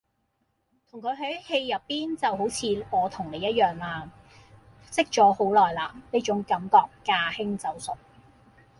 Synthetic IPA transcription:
t̪ʰʊ˨˩ŋkʰɵ˨˧ɥɦɐ˨˥jhe˧jːɐ˨pːiː˥nt͡sɐ˨wɦo˨˥wt͡sʰiː˨˧wɔː˧t̪ʰʊ˨˩ŋne˨˧jɐ˥t̚jœː˨˩ŋlaː˧ | sɪ˥k̚t͡ʃɔː˨˥ho˨˥wlɔː˨˩jlaː˧˩neː˥t͡ʃʊ˨˥ŋkɐ˨˥mkɔː˨kːaː˧hɪ˥ŋt͡sɐ˨˩wsɵ˨˩t̚

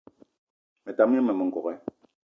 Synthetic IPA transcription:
mɛ˨ta˨m˦ɛ˦mɛ˨mɛ˨ŋ̩˨kɔ˨ɣɛ˦

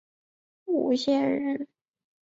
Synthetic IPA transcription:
u˨˩ɕjɛ˥˩nɻə˥˩n

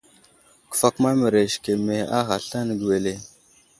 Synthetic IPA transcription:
ku̥˨fa˦kma˦mə˨ɾe˨ʃke˨me˦a̰˦xa˨ɬa˦n˨ɡwe˨le˦

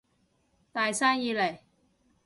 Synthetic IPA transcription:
t̪aː˨jsaː˥njiː˨˧le˨˩j

